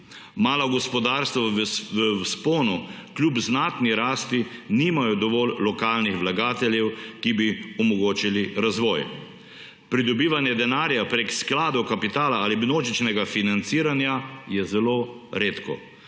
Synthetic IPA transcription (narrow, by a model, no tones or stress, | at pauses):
maːlɔɡɔspɔd̪aːɾst̪ʋɔʋəspoːnu | kljupznaːt̪niɾaːst̪iniːmajɔd̪ɔʋɔlːɔkaːlnixʋlaɡaːt̪ɛlʲjɛwkibiɔmɔɡoːt͡ʃiliɾazʋɔːj | pɾid̪ɔbiːʋanjɛd̪ɛnaːɾjapɾeksklaːd̪ɔkapit̪aːlaalibnoːd͡ʒit͡ʃnɛɡafinant̪siːɾanjajɛzɛloː | ɾeːt̪kɔ̰